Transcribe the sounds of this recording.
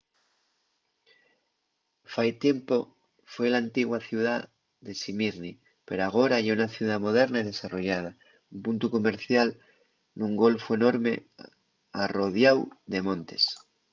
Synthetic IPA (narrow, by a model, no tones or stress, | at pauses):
fajt̪jempo | fwe̞lant̪iɣwaθjuða | ðe̞simiɾni | pe̞ɾoaɣ̞o̞ɾaʝeunaθjuð̞amo̞ðe̞ɾnaið̞e̞saro̞ʝað̞a | umpunt̪uko̞me̞ɾθjal | nuŋɡo̞lfoe̞no̞ɾmḛ | aro̞ð̞jawðe̞mõ̞nt̪e̞s